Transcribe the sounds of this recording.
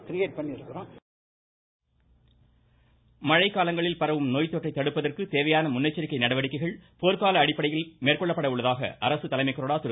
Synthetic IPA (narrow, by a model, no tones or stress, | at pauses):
kɪɾɪjeːʈ̚pɐɳːiɪɾɯkːɯɾõː | mɐɻɐɪkːaːlɐŋɡɐɭɪlpɐɾɐʋɯmnoːjt̪ːɔʈrɐɪt̪ːɐɽɯpːɐðɐrkɯt̪eːʋɐjaːnɐmʊnːɐɪt͡ʃːɐɾɪkːɐɪnɐɽɐʋɐɽɪkːɐɪɣɐɭpoːɾkaːlɐːɽɪpːɐɽɐjɪlmeːrkɔɭːɐpːɐɽɐʊɭːɐðaːɣɐ̰ʔɐɾɐsɯt̪ɐlɐɪmɐɪkːɐɾoːɽaːt̪ʊɾ